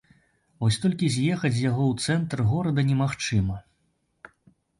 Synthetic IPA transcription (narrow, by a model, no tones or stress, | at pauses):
vɔsʲt̪ɔlʲkʲizʲjɛxɐt͡sʲjaɣɔwt̪sɛnt̪rɣɔɾɐd̪ɐnʲɛmaxt͡ʂɨmɐ